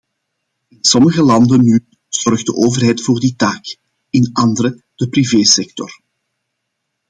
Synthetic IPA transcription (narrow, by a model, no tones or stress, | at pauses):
ɪnsɔməɣəlɑndənːy | z̥ɔrɣd̚əʔoːvərɦɛjtfoːrditaːk | ɪnɑndəɾə | d̥əpriveːsɛk̚tɔr